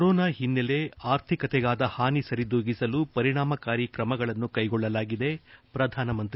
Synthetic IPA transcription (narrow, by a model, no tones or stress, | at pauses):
ɾɔːnaːɦinːele̞aːɾt̪ʰikɐt̪ɛɡaːd̪ɐhaːnisɐɾid̪oːɡisɐlupɐɾiɽaːmɐkaːɾjikɾɐmɐɡɐɭɐnːukɐjɡɔɭːɐlaːɡid̪e̞pɾɐd̪ʱaːnɐmɐnt̪ɾi